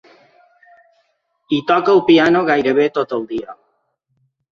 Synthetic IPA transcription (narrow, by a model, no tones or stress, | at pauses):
it̪ɔkawpianoɣajɾeβ̞et̪ot̪owd̪ia